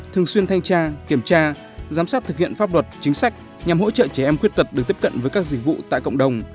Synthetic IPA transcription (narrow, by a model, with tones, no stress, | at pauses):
t̪ʰɨ˨˩əŋswi˧ənt̪ʰa˧jŋ̟t͡ɕaː˧ki˧˩əmt͡ɕaː˧ | zaː˨˦msaː˦˥t̚t̪ɨ˨˩khḭ˧˨ənfaː˦˥p̚lə˨˩t̚t͡ɕï˨˦ŋ̟sa˦˥jk̟̚ | ɲa˨˩mɦo̰˧˥t͡ɕə̰ː˧˨t͡ɕɛ˧˩ʔɛ˧mxwt̚t̪ə˨˩t̚ɗɨ˨˩k̚t̪i˦˥p̚kə̰˧˨nvəː˨˦jkaː˦˥k̚zi˨˧˩k̚vṵ˧˨t̪a̰ː˧˨jkə̰˧˨wŋ͡mɗə˨˩wŋ͡m